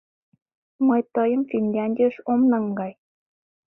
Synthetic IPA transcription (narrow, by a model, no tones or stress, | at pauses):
məjt̪əjəmfinʲlʲɑnʲdʲiʃomnɤ̆ŋɡɑj